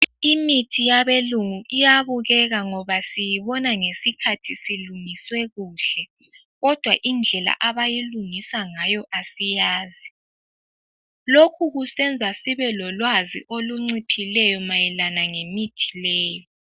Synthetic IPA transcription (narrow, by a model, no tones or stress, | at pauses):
imitʰijaβeluŋuʔijaβuɣɛɣaŋɔβasijiβɔnaŋesikʰatʰisiluŋiswɛɣuːɬɛ | ɣɔd̥ʱwaʔind͡ɮʱɛla̰ʔaβajiluŋisaŋajɔʔasijaːzi | lokʰuɣusɛnd͡zʱasiβɛlɔlwazḭʔoluŋ͡ǀipʰilɛjɔmajɛlanaŋemitʰi̥lɛːjɔ